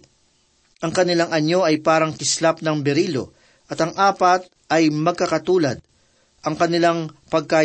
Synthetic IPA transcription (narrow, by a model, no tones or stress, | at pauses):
ʔɐŋkɐnɪlaŋɐɲːo̞ʔɐjpaːɾɐŋk̪ɪslap̚nɐŋbɛɾiːlo̰ | ʔɐt̪ɐŋʔaːpɐt̪̚ | ʔɐjmɐɡ̚kɐkɐt̪uːlɐd̪̚ | ʔɐŋkɐnɪlaŋpɐɡ̚ka